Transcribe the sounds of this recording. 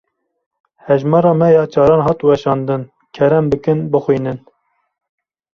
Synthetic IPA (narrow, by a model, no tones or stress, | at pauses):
hɛʒmɑːɾɑːmɛjɑːt͡ʃʰɑːɾɑːnhɑːt̪uwɛʃɑːnd̪ɨn | kʲʰɛɾɛmbɨkɨnbɨxwiːnɨn